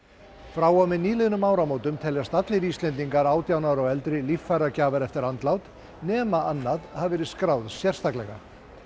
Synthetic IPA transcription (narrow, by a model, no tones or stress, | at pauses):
fɾaːwawmɪðniːlɪðnʏmaːwɾamoːwt̪ʏmt̪ʰɛljast̪at̪lɪɾist̪ɛnt̪iŋkaɾaːwt̪jawnaɾɔɣɛlt̪ɾɪlifːaɾacaːvaɾɛft̪ɪɾant̪lawt̪ | nɛːmaanːaðhavvɛːɾɪðskɾaːwðsjɛr̥st̪aklɛɣa̰